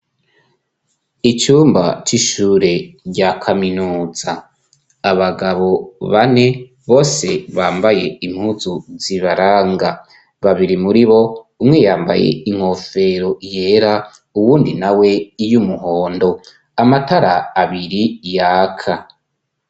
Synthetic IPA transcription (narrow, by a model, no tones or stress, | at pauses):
it͡ʃuːmba̰t͡ʃiʃuɾe̞ɾɟakʰaminuːzaː | βaɡaβo̞βane̞ | βo̞ːse̞βaːmbaje̞im̥huzuziβaɾaːŋɡa | βaβiɾimuɾiβo̞ | umŋejaːmba̰jḛiŋ̥ho̞fe̞ɾoje̞ːɾa | uwuːndinawe̞ijumuɦo̞ːndo̞ | amataɾaːβiɾijaːkʰa